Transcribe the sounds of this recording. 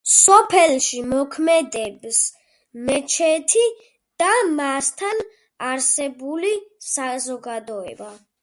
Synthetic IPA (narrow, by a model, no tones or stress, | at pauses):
sɔpʰɛlˠʃimɔkʰmɛd̪ɛbs | mɛt͡ʃʰɛt̪ʰi | d̪̥amast̪ʰan | aɾsɛbulisazɔɡad̪ɔɛ̰ba